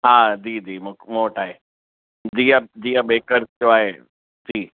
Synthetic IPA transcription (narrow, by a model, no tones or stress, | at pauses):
ɦaːd͡ʑiːd͡ʑiːmʊmoːʈaːɦe | d͡ʑiːãd͡ʑiːãɓeːkəɾtjoaːɦe | d͡ʑiː